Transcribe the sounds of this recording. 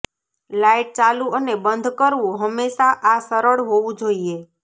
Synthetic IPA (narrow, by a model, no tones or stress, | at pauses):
laiʈ̚t͡ʃalũʔənebənd̪ʱkəɾʋũɦəmːeʃaʔasəɾəɭɦoʋũd͡ʒoie